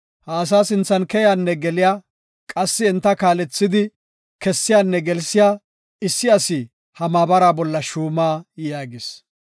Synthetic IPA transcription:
haːs̬aːsɪnt͡sːɐnkɛjaːnːɛɡɛlɪjaː | kʼɐsːɪːnt̪ːɐkaːlɛt͡sːɪd̪ɪ | kɛsːɪjaːnːɛɡɛlsɪjaː | ɪsːɪɐsi | hɐmaːbɐɾaːbɔlːɐʃuːmaːjaːɡɪs

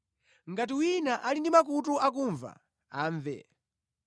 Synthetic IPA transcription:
ŋɡat̬iwinaʔalindimak̬ut̬uakuɱva̰ | aːɱvɛ̰

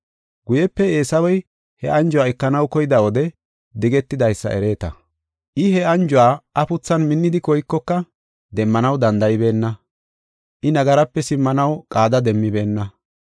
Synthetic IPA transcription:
ɡʊjɛpːɛe̞ːsɐwɔj | hɛʔɐnd͡ʒʊwaːɛkːɐnɐwkɔjɪd̪ɐwɔd̪ɛ | d̪ɪɡɛt̪ːɪd̪ɐjsːɐ̰ʔɛɾe̞ːt̪ɐ̰ | ʔɪɦɛɐnd͡ʒʊwaːɐpʊt͡sːɐnmɪnːɪd̪ɪkɔjkːɔkːɐ | d̪ɛmːɐnɐwd̪ɐnd̪ɐjɪbe̞ːnːɐ | ʔɪnɐɡɐɾɐpːɛsɪmːɐnɐwkʼaːd̪ɐd̪ɛmːɪbe̞ːnːɐ

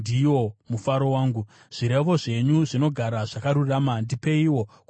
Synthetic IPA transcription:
iwo̞mufaɾo̞waːŋɡu | ʐ̥iɾe̞ʋo̞ʐe̞ɲuʐino̞ɡʱaɾaʐakaɾuramandipe̞iwo̞k

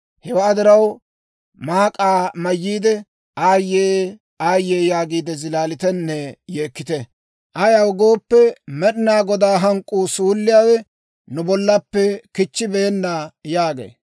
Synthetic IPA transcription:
hɛwɐːd̪ɪɾɐw | maːkʼaːmɐjːiːd̪ɛ | aːjːeː | aːjːeːjaːɡiːd̪ɛzɪlaːlɪt̪ɛnːɛjeːkːɪt̪ɛ | ʔɐjɐwʊɡo̞ːpːɛmɛɗɪnaːɡɔd̪aːɦɐŋkʼːuːsuːlːɪjaːwɛ | nʊbɔlːɐpːɛkɪt͡ʃːɪbe̞ːnːaːjaːɡḛː

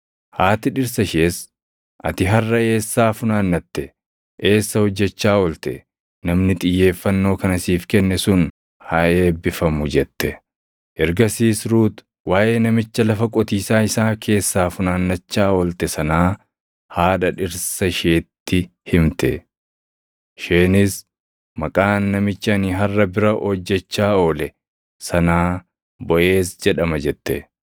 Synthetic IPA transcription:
haːt̪ɪᶑɪɾsɐʃeːs | ʔɐ̰t̪ɪɦɐrːɐe̞ːsːaːfʊnaːnːɐt̪ːɛ | ʔe̞ːsːɐhɔd͡ʒːɛt͡ʃːaːɔlt̪ɛ | nɐmnɪt̪ʼɪjːe̞ːfːɐnːo̞ːkɐnɐsiːfkɛnːɛsʊn | hɐe̞ːbːɪfɐmʊd͡ʒɛt̪ːɛ | ʔɛɾɡɐsiːsɾuːt̪ | waːʔe̞ːnɐmɪt͡ʃːɐlɐfɐkʼɔt̪iːsaːɪsaːkʰe̞ːsːaːfʊnaːnːɐt͡ʃːaːɔlt̪ɛsɐnaː | haːᶑɐᶑɪɾsɐʃeːt̪ːɪhɪmt̪ɛ̰ | ʃeːnɪs | mɐkʼaːnːɐmɪt͡ʃːɐniɦɐrːɐbɪɾɐʔɔd͡ʒːɛt͡ʃːaːoːlɛ | sɐnaː | bɔʔe̞ːsd͡ʒɛᶑɐmɐd͡ʒɛt̪ːɛ

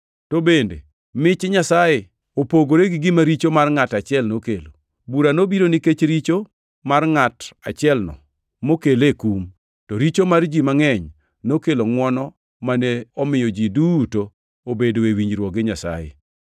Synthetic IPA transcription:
tobendḛ | mɪt͡ʃɲasaje | opoɡoɾeɡɪɡɪmaɾit͡ʃomarŋatat͡ʃɪɛlnokelo | buɾanobiɾoniket͡ʃɾit͡ʃo | marŋata̰t͡ʃɪɛlnɔ̰ | mokelekum | tɔɾit͡ʃomard͡ʒimaŋɛɲ | nokeloŋwɔnɔ | maneɔmɪjɔd͡ʒiduto | obedoewiɲɾwɔɡɪɲasa̰jḛ

